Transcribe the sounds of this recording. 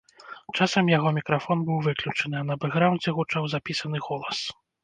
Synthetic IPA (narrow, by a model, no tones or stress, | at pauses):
t͡ʂasɐmjaɣɔmʲikɾafɔnbɨwvɨklʲut͡ʂɐnɨɐnɐbɛɣɾawnd͡zʲɛɣut͡ʂawzapʲisɐn̪ɨɣɔlˠɐs